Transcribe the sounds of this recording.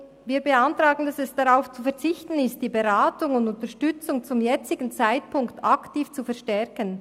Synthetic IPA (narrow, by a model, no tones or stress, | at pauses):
viːbeantɾaːɡn̩dasɛsd̥aʁaʊft͡sufɛʁt͡sɪçtən̩ɪst̚d̥iːbeɾaːtʊŋʊndʊntəʃtʏt͡sʊŋt͡sʊmjɛt͡sɪɡn̩t͡saɪt̚pʰʊŋktʰaktiːft͡sufɛʁʃtɛɾkən